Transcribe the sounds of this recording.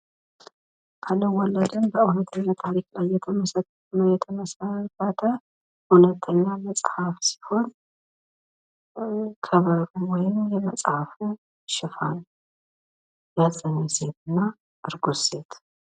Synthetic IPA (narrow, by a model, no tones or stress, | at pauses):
kʰalːəwɔlːəd̪ənbəunət̪ʰːəɲːat̪ʰaɾiklajːɛt̪ʰəməsət̪ːəfunojɛt̪ʰəməsəkːat̪ʰə | hunət̪ʰːəɲːaməsʼhafsi̥ho̞n | kʰəβəɾuwɔjɪmjɛməsʼhaf | ʃɪfan | jazʼəɲːɛse̞t̪ʰɨnːa | ʔɨɾɡu̥se̞t̪ʰ